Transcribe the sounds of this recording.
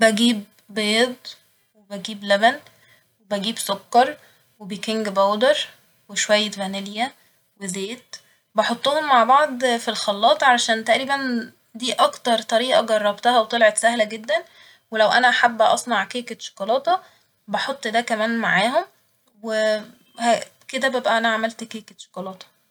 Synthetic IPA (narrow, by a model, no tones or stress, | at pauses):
bæɡiːb̚ | beːd̪ˤ | webæɡiːblæbæn | webæɡiːbsokːɑɾˤ | webejkeŋɡbæwd̪eɾˤ | weʃowæjːet̪væneljæ | wezeːt̪ | bɑħot̪ˤːoːhomːaʕbɑʕd̪ˤfilxɑlːɑːt̪ˤʕalæʃæːnt̪æʔɾiːbæn | d̪iːʔɑkt̪ɑɾˤt̪ˤɑɾiːʔɑɡɑrˤːɑbt̪æhæwet̪ˤelʕet̪sæhlæɡed̪ːæn | welæwʔænæʔaħabːʔɑ̰sˤnɑʕkeːket̪ʃo̥kɑlɑːt̪ˤɑ | bɑħot̪ˤːd̪ækæmæːnmaʕaːɦom | we | hæked̪æbebʔæʔænæʕamælt̪keːket̪ʃo̥kɑlɑːt̪ˤɑ̥